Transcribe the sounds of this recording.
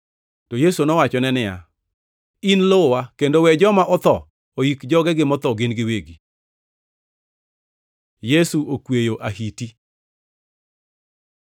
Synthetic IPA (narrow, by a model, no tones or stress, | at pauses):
tojesunɔwat͡ʃɔnɛnɪja̰ | inlowakendowɛd͡ʒɔmaʔɔt̪ɔ | oikd͡ʒɔɡɛɡɪmɔt̪ɔɡɪnɡɪweɡi | jesuokwejoʔaɦiti